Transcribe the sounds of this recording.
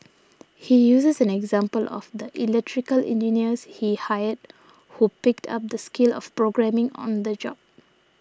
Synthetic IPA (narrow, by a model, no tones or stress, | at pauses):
hijuːsəsɛ̃nɛɡzãmpəlʔɔ̰fd̪əʔilɛk̚tʰɹikəlɛ̰̃nd͡ʒiniəshihajəd̚ | hupɪk̚tʰa̰p̚d̪əskɪlɔ̰fpɹoɡɹɛ̃mɪ̃ŋɔ̰̃nd̪əd͡ʒɔ̰b̥̚